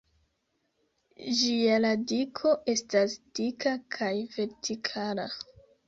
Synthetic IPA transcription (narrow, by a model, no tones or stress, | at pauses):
d͡ʒialadikʰo̞ʔe̞stasd̥ikakʰajve̞ɾtʰikʰala